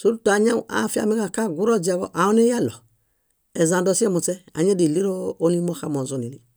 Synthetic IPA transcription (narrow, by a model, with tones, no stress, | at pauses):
su˦ɾu˦ta˨ɲa˦a̰˨˦˨fi˦a̰˨mi˦ka˨ka˦ɡu˦ɾo˦d͡ʒi˨a˨ɡɔ̰˨ʔa˨o˦ne˦ja˦lɔ˨ | e˨za˨ndɔ˦si˦e˦mu˨t͡sɛ˦a̰˨ɲe˦di˨li˦ɾoː˦ni˦mo˦xa˦mo˨zo˦˨ni˨ni˨